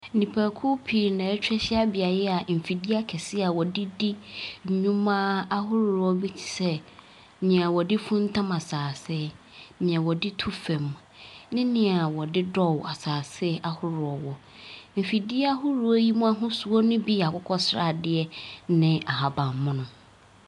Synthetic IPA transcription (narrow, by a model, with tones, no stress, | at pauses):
nĩ˨pʰaː˨kʰʊ˦pʰi˨nã˨ɛ˦t͡ɕᶣɛ˦ɕɪ˦a˦bɪ˨a˨jɛ˦a˨m̩˨fi˨dɪ˦a˦kʰɛ˨sɪ˦a˨wɔ˨dɪ˦dɪ˦˨ɲũ˦mãː˦a˦hʊ˦ɾɔ˦bi˦t͡ɕʰi̥˨sɛ˦ | nɪ̃˨a˨wɔ˨dɪ˦fũ˦n̩˦tʰã˦ma˨saː˨sɪ˦ | nɪ̃˨ã˨wɔ˨dɪ˦tʰu˦fɛ̃˨m | nɪ̃˦nɪ̃˨a˨wɔ˨dɪ˦dɔ˦wa˨saː˨sɪ˦ʔa˨hʊ˦ɾʊ˨ɔ˨wɔ˦ | m̩˨fi˨dɪ˦a˦ɦʊ˦ɾu˨˦ɔ˦ji˦mũ˦a˦ɦʊ̃˦su˨ɔ˦nʊ̃˦bi˦˨a˨kʰʊ˦kʰɔ˦sɾa̰˨dɪ˦ɛ˦nɪ̃˨ʔa˨ɦa˨bã˨mːʊ̃˦nʊ̃˨